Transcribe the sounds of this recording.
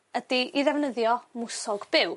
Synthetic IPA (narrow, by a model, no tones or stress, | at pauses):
ədiiðɛvnəðjɔmʊsɔɡb̥ɪw